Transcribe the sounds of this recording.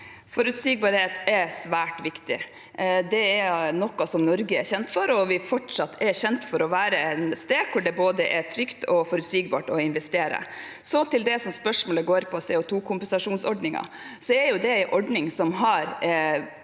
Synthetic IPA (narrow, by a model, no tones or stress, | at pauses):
fɔɾʉt̪siɡ̚bɑːɾheːt̪ʰɛsʋæːʈʋɪkt̪ɪ̰ | d̪ɛɛɾnɔkːɑsɔmnɔɾɡəɛɾçɛnt̪fɔɾɔʋɪfɔʈʂɑt̪ʰːɛɾçɛnt̪fɔɾɔʋæːɾəɛnst̪eːkʰʊɖɛboːd̪əʔɛt̪ʰɾʏkt̪ʰɔfɔɾʉt̪siːɡbɑ̰ːʈɔɪnʋɛst̪eːɾə̰ | sɔt̪ʰɪld̪ɛsɔmspœʂmɔːləɡoːɾpʰɔsɛɔt̪ʰuːkʰʊmpɛnsɑʂuːnsɔɖnɪŋɑ̰ | sɔɛɾjʊd̪ɛæɪʔɔɖnɪŋsɔmɦɑɾ